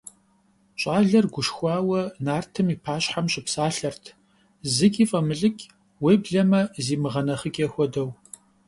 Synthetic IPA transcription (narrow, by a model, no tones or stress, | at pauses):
ɕʼaːɮɐrɡʷʊʃxʷɑːwɐnaːrtʰɨmiːpʰaːɕħamɕʼɪpsaːɬɐrtʰ | zɨkʲʼiːfʼɐmɨɮɨkʲʼ | weːbɮɐmɐziːmɨʁɐnɐχəkʲʼexʷɔdɐw